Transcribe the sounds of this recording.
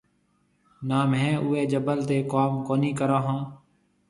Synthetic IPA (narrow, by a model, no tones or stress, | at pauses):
naːmɦɛ̃ːʔuːeːd͡ʒəbəlt̪eːkaːmkoːniːkəɾãːɦãː